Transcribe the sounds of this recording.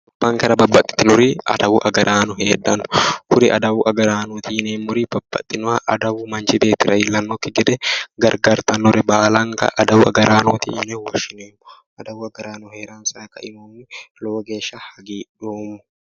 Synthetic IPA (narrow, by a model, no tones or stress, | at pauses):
ʊb̥ːɐŋkɐɾɐbɐbːɐt̪ʼːɪ̥t̪ːɪnʊɾiɐ̰d̪ɐwʊʔɐɡɐɾʔaːnɔheːᶑɐnʊ̥hʊɾɪʔɐd̪ɐwʊʔɐɡɐɾaːnuːt̪ineːmːʊɾib̥ɐbːɐ̰t̪ʼːɪnʊɐʔɐd̪ɐwʊmɐnt͡ʃɪb̪eːt̪ːɪɾɐɪlːɐnːɔkːɪɡɛd̪ɛɡɐɾɡaːɾt̪ɐnːɔɾɛbaːlɐŋkɐ̰ʔɐd̪ɐwʊɐ̰ɡɐɾʔaːnuːt̪ḭneːwɐʃɪneːmːʊ | ʔɐd̪ɐwʊɐɡɐɾaːnʊheːᶑaːnsɐɾɐkɐʔɪmoːnːɪloːɡeːʃahɐɡiːᶑoːmːʊ̥